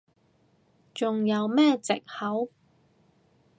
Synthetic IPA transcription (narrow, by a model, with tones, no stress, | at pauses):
t͡sʊ˨ŋjɐ˨˧wmɛː˥t͡sɪ̰˨k̚hɐ˨˥w